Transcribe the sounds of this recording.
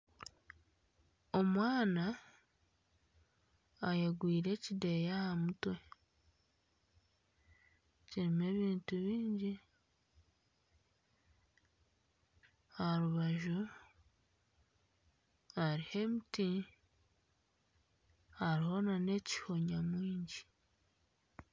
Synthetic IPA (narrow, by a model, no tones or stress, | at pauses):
o̞mwaːna | jeɡwiːɾe̞ːcide̞jahamutwe | ciɾime̞ːβiːntuβiːɲɟi | haɾuβaʒu | aɾihe̞miti | haɾiho̞nane̞ci̥ho̞ɲamwiːɲɟi